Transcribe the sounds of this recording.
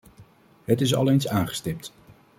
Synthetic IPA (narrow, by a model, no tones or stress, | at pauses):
ɦətɪs̬ɑ̰lejnsaːnχə̥stɪp̚t